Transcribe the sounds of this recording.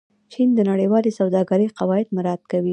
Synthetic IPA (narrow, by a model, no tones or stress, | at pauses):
t͡ʃind̪ənaɽəjwɑlesawd̪ɑɡaɾəjqawɑɪd̪mɪɾɑt̪kawi